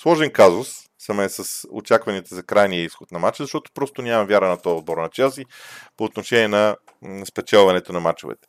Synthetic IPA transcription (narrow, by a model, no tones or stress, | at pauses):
slˠɔʒɛnkazʊsː | əmɛsɐso̰t͡ʃakvɐniət̪əzɐkɾajnijəisxot̪nɐmat͡ʃəzɐʃt̪ɔt̪o̥pɾɔst̪onʲamɐvʲjaɾənɐt̪ɔɛzd̪̚bɔɾnɐt͡ʃɛlˠsipoːt̪noʃɛnʲiɛnɐ | spɛt͡ʃɛlˠvɐnɛt̪onɐmat͡ʃo̰vɛ̰t̪ɛ̥